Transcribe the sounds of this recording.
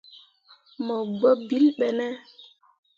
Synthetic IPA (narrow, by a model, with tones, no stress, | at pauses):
mɔ˨ɡ͡bɔ˦bi˦lɓɛ˨nɛ˦